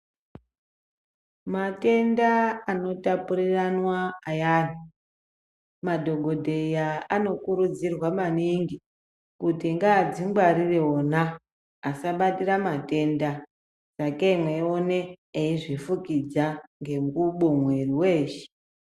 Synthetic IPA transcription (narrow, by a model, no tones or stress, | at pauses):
mate̞ndaano̞tapuriranwaːjaːni | madʱo̞ɡʱo̞dʱejaano̞kuɾud͡zirwamaniŋɡi | kutiŋɡaːd͡ziŋɡwaɾireonaː | saɓatiramate̞nda | d͡zakeimweoneː | iʐifukid͡zaŋɡe̞ŋɡuɓomwe̞riwe̞ːʃe̥